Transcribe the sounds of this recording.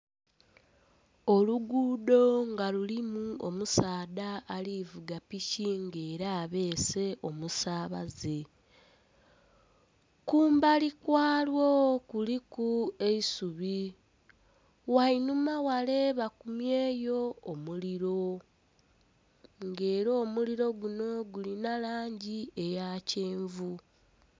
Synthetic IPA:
o̞luɡuːdo̞ŋɡalulimuomusaːdaːlivuɡapiciŋɡe̞ːɾaːβe̞ːse̞ʔo̞musaːβaze̞ | kuːmbalikwaːlwokulikue̞isuβi | wainumawale̞βakumjeːjo̞ːmuliɾo | ŋɡe̞ːɾo̞ːmuliɾo̞ɡuno̞ɡulinalaːɲɟiejaːceːɱvu

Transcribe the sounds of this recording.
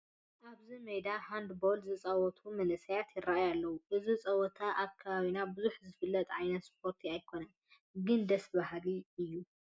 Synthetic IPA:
ʔaβzimejd̪aħand̪bo̞lzɨt͡sʼawɔt̪ʰumɐnɨsajat̪jɪrːaʔajalːɐwuʔɨzit͡sʼɐwɔt̪ʰaʔakʰːaβaβinabɨzuħzɨfɨlːɐt̪ʼʕajnɐt̪spʰo̞ɾt̪ʰiajkʰo̞nɐn | ɡɨnd̪ɐsbahliɨjːu

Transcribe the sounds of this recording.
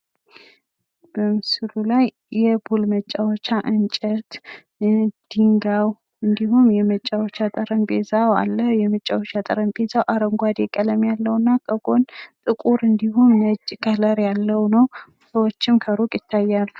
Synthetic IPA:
b̥əmɨsɨlulajː | ɛbulmət͡ʃʼːawot͡ʃːaʔɨnt͡ʃʼət̪ | d̪̥iŋɡaw | ɨnd̪iɦumjɛmət͡ʃʼːawot͡ʃːat̪ʼəɾənbezawa̰lːəjɛmət͡ʃʼːawot͡ʃːat̪ʼə̰ɾənbezawʔaɾəŋɡʷad̪jɛkʼələmjalːəwnːakʼəɡo̞nt̪ʼɨkʼuɾɨnd̪ihumːəd͡ʒʼkʰʼələɾjalːəwnəw | səwot͡ʃːɪmkʰəɾukʼjɪt̪ʰːajːal

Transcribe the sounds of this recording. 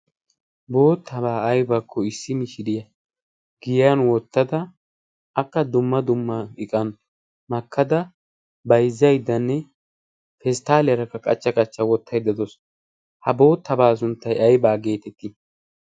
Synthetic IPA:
bo̞ːt̪ʰːɐbaːɐjbakʰːɔɪsːɪmɪʃɪd̪ɪjɐ | ɡ̥ɪjjɐnwɔt̪ːɐd̪ɐ | ʔɐkːɐd̪ʊmːɐd̪ʊmːɐɪkʼɐn | mɐkʰːɐd̪ɐ | bɐjzːɐjd̪ːɐnːɛ | fɛst̪aːlɪjɐɾɐkːɐkʼɐt͡ʃːɐkʼɐt͡ʃːɐwɔt̪ʰːɐjd̪ɐd̪ɔs | hɐbo̞ːt̪ːɐbaːs̬ʊnt̪ːɐjɐjbaːɡe̞ːt̪ɛt̪ːɪ

